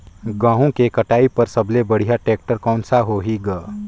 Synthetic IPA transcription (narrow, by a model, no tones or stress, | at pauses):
ɡãːɦõkekɐʈaːipɐɾsɐblebɐɽ̤ijaʈeːk̚ʈəɾkɔ̃ːnsaɦoːɦiɡaː